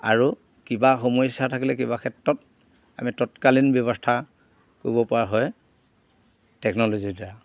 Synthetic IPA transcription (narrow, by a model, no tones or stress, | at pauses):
a̰ɹu | kibaxomɔjsatʰakilɛkibakʰɛtɹɔt̚ | a̰mitɔtkalinbjɔβɔstʰa | koɹibɔpaɦɔj | tɛknɔlozida